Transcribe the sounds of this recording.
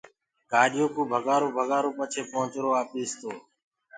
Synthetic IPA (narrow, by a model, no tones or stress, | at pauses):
kaːɗjoːkũːbʱəɠaːɾoːbʱəɠaːɾoːpət͡ʃʰeːpõːt͡ʃɾoːaːpiːst̪oː